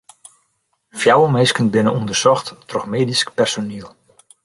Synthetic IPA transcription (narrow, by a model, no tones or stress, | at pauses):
fjawəmejskənbɪnəundərsɔxtːrɔxmeːdiskpɛrsoniəlˠ